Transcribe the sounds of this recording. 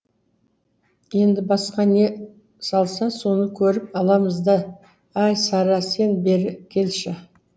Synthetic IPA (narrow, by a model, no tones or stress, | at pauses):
je̞nd̪ɪbɑsqɑne̞ | sɑlˠsɑso̞nəkʲʰɵɾɪpɑlˠɑməzd̪ə | ɑjsɑɾɑse̞nbe̞ɾɪkʲʰe̞lʃɪ